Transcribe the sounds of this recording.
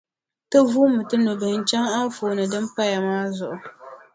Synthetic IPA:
tɨ˦vuː˦mɨ˨tɨ˦nu˨bɨ˨˦n̩˦t͡ʃɛ˦ŋa˦foː˨nɨ˨dɨ˦mpa˦ja˨maː˦zʊ˨ʔʊ˨

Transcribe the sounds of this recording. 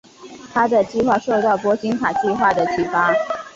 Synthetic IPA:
t̪ʰa˥d̪ə˨t͡ɕi˥˧xwa˥˧ʂo˥˧ʊt̪ɑ˥˩ʊpwɔ˥t͡ɕi˥ŋkʰa˨˩t͡ɕi˥˧xwa˥˩d̪ə˩t͡ɕʰy˧˥fa˥

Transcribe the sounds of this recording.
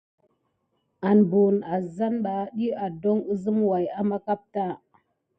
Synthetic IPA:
a˨nbu˨na˨za˦nɓa˨ɗi˦a˨do˦ŋu˦zə˦mwa˨ja˦ma˦ka˦p̚ta˦˨

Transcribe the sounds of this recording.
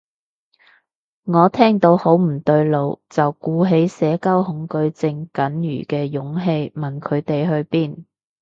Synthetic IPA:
ŋɔː˨˧t̪ʰɛː˥ŋt̪o˨˧˥who˨˥wm̩˨˩t̪ɵ˧ɥlo˨˧wt͡sɐ˨wkuː˧ɦe˨˥jsɛː˨˥kɐ˥whʊ˨˧˥ŋkɵ˧ɥt͡sɪ˧ŋkɐ˨˥njyː˨˩kɛː˧jʊ˨˥ŋɦe˧jmɐ˨˩nkʰɵ˨˧ɥt̪e˨jɦɵ˧ɥpiː˥˩n

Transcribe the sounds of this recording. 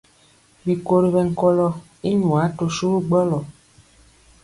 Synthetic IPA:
bi˨ko˦ɾi˨βɛ˨ŋ̩˦kɔ˦lɔ˦ | i˦ɲũ˨a˨˦to˧ʃu˦ɾu˦ɡ͡bɔ˦lɔ˨

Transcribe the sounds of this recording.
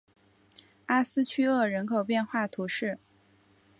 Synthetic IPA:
a˥sɹ̩˥t͡ɕʰy˥ɤ˥˩ɻə˧˥nkʰo˨˩ʊpjɛ˥˧nxwa˥˩t̪ʰu˧˥ʂɻ̩˥˩

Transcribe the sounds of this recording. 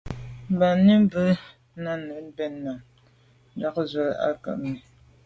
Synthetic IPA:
m̩˨ba˨ni˦m˦bə˦ | na˦nə˨˦n˦bɛ˦nːa˨m˦ | da˦kzwə˨la̰˦kə̰˦˨ʔmi˨

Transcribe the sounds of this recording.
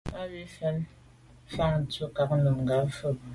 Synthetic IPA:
a˦bi˦fɛ˦l | fa˦˨ŋ˨to˦ka˨k̚nə˨mŋɡa˨˦fə˦˨

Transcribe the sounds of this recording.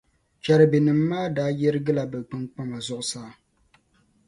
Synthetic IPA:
t͡ʃa˨ɾɨ˨bi˨nɨ˨mː˦aː˦daː˦jɛ˦ɾɨ˦ɡɨ˦la˨bɛ˨k͡pɨ˦ŋk͡pa˦ma˨zʊ˦ʔʊ˦saː˦˨

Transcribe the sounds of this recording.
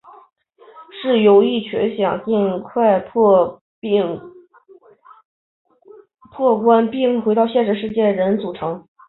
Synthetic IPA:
ʂɻ̩˥˩jo˧˥ʊi˥˩t͡ɕʰɥɛ̰˧˥nɕjɑ˨˩ŋt͡ɕi˥˧nkʰwa˥˧ɪp | ŋ | pʰwɔ˥˩kwa˥npi˥˩ŋxwe˧˥ɪɑ˥˧ʊɕjɛ˥˧nʂ̬ɻ̩˥˩ʂ̬ɻ̩˥˧t͡ɕjɛ˥˩ɻə˧˥nt͡su˨˩ʈ͡ʂʰɤ˧˥ŋ

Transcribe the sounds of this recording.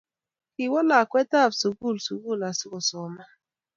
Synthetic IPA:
ki˨wɔ˦la˨kʷe˦ta˦˨vsu˨ɡu˦˨lsu˨ɡu˦˨la˨sʊ˦kɔ˨sɔ˨ma˦

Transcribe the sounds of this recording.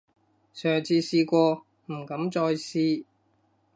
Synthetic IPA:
sœː˨ŋt͡sʰiː˧siː˧kʷɔː˧ | m̩˨˩kɐ˨˥mt͡ʃɔː˧jsiː˧

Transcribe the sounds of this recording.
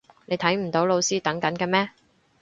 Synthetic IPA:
ne˨˧jt̪ʰɐ˨˥jm̩˨˩t̪o˨˥wlo˨˧wsiː˥t̪ɐ˨˥ŋkɐ˨˥nkɛː˧mɛː˥

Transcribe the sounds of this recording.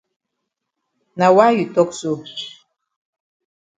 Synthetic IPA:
na˨wa˦ji˨to˦ksu˨ʃ

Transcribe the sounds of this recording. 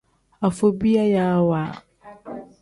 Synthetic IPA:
a˨fo˨bi˦a˦ja˦a˦waː˨

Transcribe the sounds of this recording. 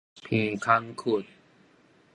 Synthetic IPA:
pʰiː˧˩kʰa˧ŋkʰu˨˩t̪̚

